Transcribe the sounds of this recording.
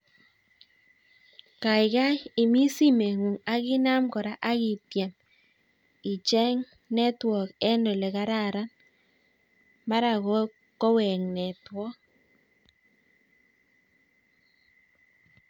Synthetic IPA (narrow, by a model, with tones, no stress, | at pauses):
ka˨ɪ˨ka˦jɪ˨mi˦si˦me˨ŋu˨ŋa˨ɣɪ˦na˦mkɔ˨ɾa˦ʔa˦ɣi˨tjɛ˨m | i˨t͡ʃɛ˦ŋ | nɛ˦twɔ˨kɛ˦ndɔ˨lɛ˨ka˦ɾa˦ɾa˦n | ma˦ɾa˨ɣɔ˦ | kɔ˦wɛ˨ŋnɛ˨twɔ˦